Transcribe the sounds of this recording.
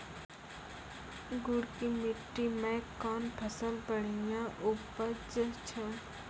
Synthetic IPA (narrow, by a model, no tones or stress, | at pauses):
ɡʊɽkimɪʈːimẽkɔːnpʰəsəlbəɽijãʔʊpəd͡ʒət͡ʃʰə